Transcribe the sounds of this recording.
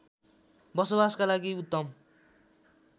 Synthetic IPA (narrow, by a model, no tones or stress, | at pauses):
bʌsobaskalaɡiut̪ːʌm